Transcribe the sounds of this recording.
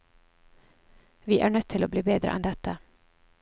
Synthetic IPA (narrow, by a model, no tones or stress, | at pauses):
ʋiːʔæːɳœt̪ʰɪloːbliːbeːd̪ɾə̰ʔɛnd̪ɛt̪ə